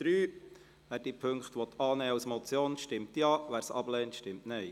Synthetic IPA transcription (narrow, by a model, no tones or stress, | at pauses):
d̥ɾyː | ʋæːɾd̥ipʰøŋkχtʋɔt̪ʰːɑːnɛːausmɔt͡sjoːnʃtɪmtjɑːʋæːɾsɑ̰blɛːntʃtɪmtnɛɪ